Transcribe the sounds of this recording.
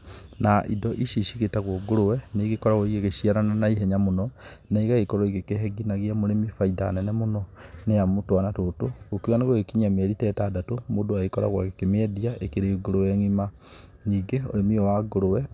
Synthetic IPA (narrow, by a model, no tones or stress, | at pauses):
naʔḭdɔʔiʃiʃiɣetaɣwoɡoɾowɛneɣekɔɾaɣwɔiɣeɣeʃiaɾananaiɦɛɲamonɔnaiɣaɣekɔɾɔiɣekeɦɛɡinaɣiamoɾemifaida̰nɛnɛmonɔnejamotwanatotoɣokiɣaneɣoɣekiɲamɛɾitɛtaːdatomoːdoaɣekɔɾa̰ɣwa̰ɣekemɛdiaekeɾeɡoɾowɛŋima | niːɡeo̰ɾemiɔwaɡoɾowɛ